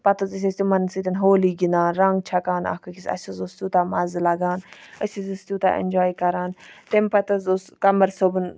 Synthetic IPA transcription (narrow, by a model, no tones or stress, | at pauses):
pɐt̪ɐzis̬ʲɐsʲt̪ʲumɐnsit̪ʲɐnɦoːliːɡinaːnɾɐŋɡt͡ʃʰɐkaːnɐ̰kɐkisɐ̰sizost̪ʲuːt̪aːmɐzlaɡaːnəsizist̪ʲjuːt̪a̰ːʔḛnʲd͡ʒaːjkɐɾaːnt̪empɐt̪ɐzoskɐməɾsobɨn